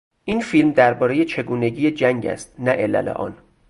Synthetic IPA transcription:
ʔinfiːlmd̪æɾbɒːɾe̞jet͡ʃʰe̞ɡuːne̞ɟiːjed͡ʒæŋɟæ̰st̪̚næʔelæ̰lḛʔɒ̰ːn

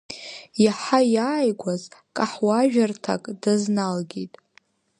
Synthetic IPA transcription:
jaħajaːjɡʷazkʼaħwaʒᶣartʰa̰kʼdaznalɡʲitʼ

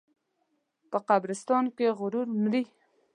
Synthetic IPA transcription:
pəqabɾɪst̪ɑnkeɣʊɾuɾmli

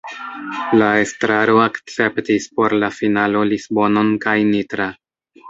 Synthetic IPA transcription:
lae̞stɾaɾo̞akt͡se̞ptispo̞ɾlafinalo̞lisbo̞no̞nkajnitɾa

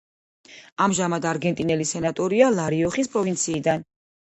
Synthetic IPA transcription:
amʒamad̪aɾɡɛnt̪ʼinɛlisɛnat̪ʼɔɾialˠaɾiɔχispʼɾɔvint̪sʰiːd̪an

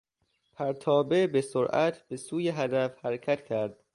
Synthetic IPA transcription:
pʰæɾt̪ʰɒːbe̞besoɾʔæ̰t̪ʰb̥e̞suːjeɦæd̪æfhæɾecʰæt̪cʰæɾd̪̥

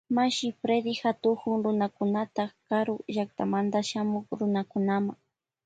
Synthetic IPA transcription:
maʃɪfɾed̪ɪxat̪ʊhʊŋɾʊnakʊnat̪akaɾʊʒak̚t̪amand̪aʃamʊkɾʊnakʊnamaŋ

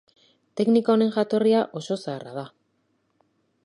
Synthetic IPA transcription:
t̪e̞knikaone̞ŋʝat̪o̞riaʔo̞so̞saːra̰ð̞a

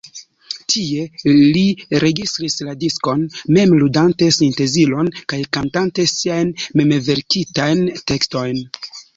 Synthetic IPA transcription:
tʰie̞liɾe̞ɡistɾisladisko̞nme̞mludante̞sinte̞zilo̞nkajkantantesiajnmemeve̞ɾkitajnte̞ksto̞jn

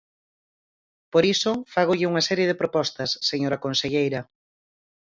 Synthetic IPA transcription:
poɾisʊfaɣoʎɪuŋɐsɛɾjeðɪpɾopɔst̪ɐsːeɲoɾɐkonseʎejɾɐ

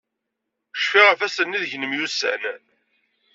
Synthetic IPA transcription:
ʃfiʁæfæsənːiðʝənəmjusə̰ʕnæn

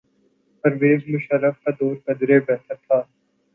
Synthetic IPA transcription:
pɐɾʋeːzmʊʃɐləfkad̪oːɾkɐd̪ɾebɛːt̪ʰɐt̪ʰːaː

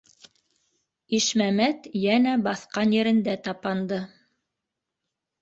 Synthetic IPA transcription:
iʃmæmæt̪jænæbɑθqɑnjɘ̆ɾɘ̆nd̪æt̪ɑpɑnd̪ɤ

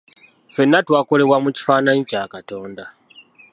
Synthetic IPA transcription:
fe̞nːatwaːko̞le̞βwamuci̥faːnaɲicaːkato̞ːnda

